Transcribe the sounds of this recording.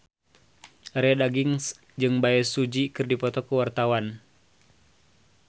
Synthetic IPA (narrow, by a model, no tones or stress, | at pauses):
rɛdaɡiŋs | d͡ʒɨŋbaɛsud͡ʒikɨrdipɔt̪ɔkuwart̪awan